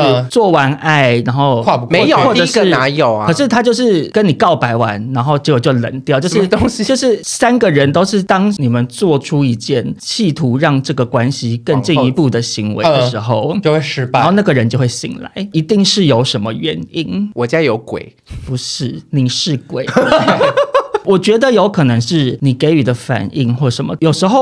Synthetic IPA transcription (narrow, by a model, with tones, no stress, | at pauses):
t͡swɔ˥˩wa˧˥na˥˩ɪɻa˧˥nxo˥˧ʊwa˥˧pu˧me˧˦˥jo˨wɔ˥˩ʈ͡ʂə˨ʂɡə˧˥na˧˥˦jo˨˩ʊɐ˨˩ʂɻ̩˥˩t̪ʰa˥t͡ɕjo˥˧ʊʂɻ̩˥˩kə˦ni˨˩kɑ˥˩ʊpa˧˥ɪwa̰˧˦nɻa˧˥nxo˥˧ʊʈ͡ʂɤ˧˥jo˨˩t͡ɕjo˥˩ʊlə̰˧˩nt̪jɑ˥˩ʊt͡ɕjo˥˧ʊʂɻ̩˥˧o˥ŋɕjo˥˧ʊʂɻ̩˥˩sa˥nɡə˨ɻə˧˦nt̪o˥ʊʂɻ̩˥˩t̪ɑ˥ŋni˨˩mə˨˦nt͡swɔ˥˨˩ʈ͡ʂʰu˥i˧˥t͡ɕjɛ˥˩nt͡ɕʰi˥˩t̪ʰu˧˥ɻɑ˥˧ŋʈ͡ʂɤ˥˩ɡə˩kwa˥nɕi˨kə˥˧ŋt͡ɕi˥˩ŋi˧pu˥˩d̪ə˩ɕi˧˥ŋwḛ˧˦əə˧ʂɻ̩˧˥xo˥˧ʊt͡ɕo˥˧xwe˥˧ʂɻ̩˥˧xo˥˧ʊna˥˩ɡə˩ɻə˧˦nt͡ɕjo˥˧xwe˥˩ɪɕḭ˨˩ŋla̰˧˦ɪi˧˥t̪i˥˧ŋʂɻ̩˥˩jo˧˥ʊʂə˧˦˥nmə˧ɥɛ̰˧˥ni˥˩nwɔ˨˩t͡ɕja˦˥jo˧˥ʊkwḛ˨˩˦ɪ | pu˧˥ʂɻ̩˥˩ni˨˩ʂɻ̩˥˩kwḛ˨˩ɪ | wɔ˨˩t͡ɕɥɛ˧˥d̪ə˧˨jo˧˥ʊkʰɤ˨˩nɤ˧˥ŋʂɻ̩˥˩ni˨˩ke˧˥ɪy˨˩d̪ə˦fa̰˨˩ni˥˩ŋxwɔ˥˩ʂə˧˥nmə̰˩jo˨˩ʊʂɻ̩˧˥xo˥˧ʊ